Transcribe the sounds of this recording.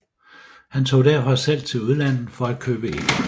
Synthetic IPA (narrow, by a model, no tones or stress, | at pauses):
hænt͡sʰo̝̰ːd̥æɐfɒsel̰t͡sʰe̝luð̞ˠlæn̰ð̩ˠfɒ̽æd̥̚kʰøːb̥əe̝n̰